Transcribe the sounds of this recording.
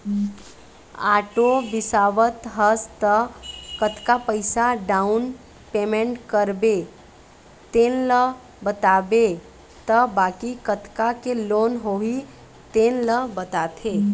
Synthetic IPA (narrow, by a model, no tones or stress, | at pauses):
aːʈobɪsaːʋət̪ɦəst̪əkət̪kapəɪsaɖaun | peːmẽɳʈkəɾbe | t̪eːnlə | bət̪aːbe | t̪əbaːkikət̪ʰkakeloːnɦoɦi | t̪eːnləbət̪aːt̪ʰeː